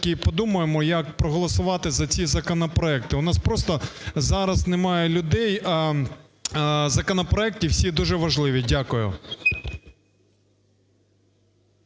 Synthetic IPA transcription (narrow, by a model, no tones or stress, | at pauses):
kʲipɔd̪umʊjemɔjɐkpɾɔɦɔlˠɔsʊʋɑt̪ɪzɐt͡sʲizɐkɔnɔpɾɔɛk̚t̪ɪʊnɑspɾɔst̪ɔzɑɾɐznemɑjɛlʲʊd̪ɛjɐ | zɐkɔnɔpɾɔɛk̚tʲiwsʲid̪uʒɛʋɐʒlˠɪʋʲidʲakʊjʊ̰